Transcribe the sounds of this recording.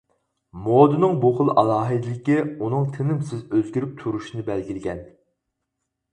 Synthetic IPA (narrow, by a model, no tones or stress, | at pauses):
moːd̪ɨnɨŋbuχʊlˠʔɑlˠɑːɦɨd̪ɪlɪkʲiunɨŋt̪ʰɪnɪmsɪzøzɡʲiɾyp̚t̪ʰuɾuʃinɨbɛlɡʲilɪɡʲɛn